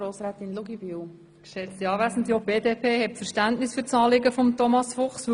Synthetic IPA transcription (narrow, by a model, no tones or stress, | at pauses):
ɾoːsɾɛːt̪inluɡibyw | kʃɛt͡stiɑːvæsn̩tiobeːdeːpʰeːhɛtfɛɾʃtæntnɪsfyːɾt͡sɑːlɪɡəfɔmtɔmɑsfʊχs